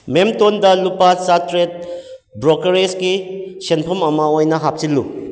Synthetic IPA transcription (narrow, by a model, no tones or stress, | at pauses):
memtondɐlupasatɾet̚ | bɾokɐɾesɡisenpʰɐmɐmɐojnɐɦap̚silːu